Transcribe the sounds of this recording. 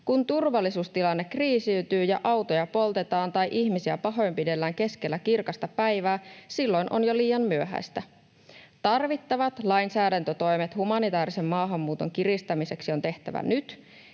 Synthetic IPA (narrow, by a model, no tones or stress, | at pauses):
kunt̪urʋɑlːisuːst̪ilɑnːe̞kriːsiyt̪yːjɑ̰ʔɑwt̪o̞jɑpo̞lt̪e̞t̪ɑːnt̪ɑjʔiçmisiæpɑɦo̞jmpide̞lːæːŋke̞skelːækirkɑst̪ɑpæjʋæːsilːo̞jnʔo̞̰njoliːjɑmmyøɦæ̰st̪æ | t̪ɑrʋit̪ːɑʋɑt̪lɑjnsæːdænt̪øt̪o̞jme̞t̪humɑnit̪ɑæːɾise̞mːɑːɦɑmːuːt̪o̞ŋkirist̪ɑmise̞ksio̞nt̪e̞ht̪æ̰ʋæ̰nyt̪